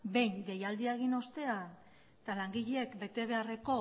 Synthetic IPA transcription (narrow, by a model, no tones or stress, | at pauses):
be̞jŋɡe̞jald̪iaeɣ̞ino̞st̪e̞a | t̪alaŋɡiʎeekbe̞t̪e̞β̞e̞are̞ko̞